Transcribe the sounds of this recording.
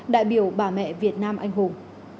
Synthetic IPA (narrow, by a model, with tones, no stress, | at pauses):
ɗa̰ː˧˨jɓi˧˩əwɓaː˧˩mɛ̰˧˨vi˨˩ət̚naː˧mʔa̰˧jŋ̟ɦu˨˩ŋ